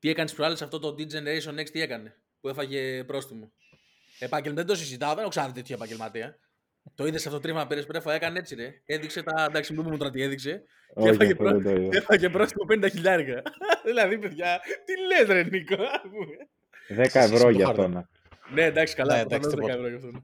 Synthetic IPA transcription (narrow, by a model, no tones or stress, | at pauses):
t̪ie̞kɐnespɾoɐlesɐft̪o̞t̪o̞d̪id͡zeneɾesonekst̪iekɐne̞ | pue̞fɐʝe̞pɾo̞st̪imo̞ | epɐɟelmɐðed̪os̬izit̪ɐoðenoksɐnɐðt̪et̪ʰopɐɟelmɐt̪eɐ | t̪o̞iðesɐft̪ot̪ɾivmɐpiɾespeɾɐfoekɐnee̞t͡siɾeeðikse̞t̪ɐnd̪ɐksimumumut̪oɾɐt̪ie̞ðikse̞ | efɐʝepɾost̪oiðefɐʝe̞pɾost̪imo̞pe̞nd̪ɐçiʎɐɾkɐðilɐðipe̞ðʝɐt̪ilet̪ɾenikoɐspume | ðekɐevɾooɐɐɾonɐ | ne̞nd̪ɐksi̥kɐlɐɐnozðekɐevɾojɐft̪onɐ